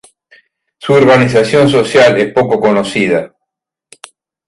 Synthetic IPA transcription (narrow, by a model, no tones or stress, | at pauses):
suoɾβanis̬asjo̞ns̬osjalespo̞kokonosiða